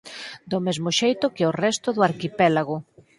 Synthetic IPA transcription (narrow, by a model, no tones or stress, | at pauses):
d̪omezmoʃejt̪ʊkɪorɛst̪ʊðʊaɾkipɛlaɣʊ